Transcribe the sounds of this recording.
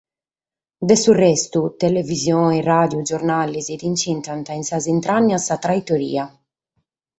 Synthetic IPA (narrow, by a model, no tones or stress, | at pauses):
d̪ɛsurɛst̪ut̪elevizjɔːnirad̪jud͡ʒɔɾnalːizid̪int͡ʃint̪ant̪ainsazint̪ɾanːasat̪ɾait̪oɾḭːa